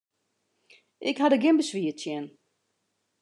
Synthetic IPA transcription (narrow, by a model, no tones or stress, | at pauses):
ʔɪkhadəɡɪnbəsʋiətjɛn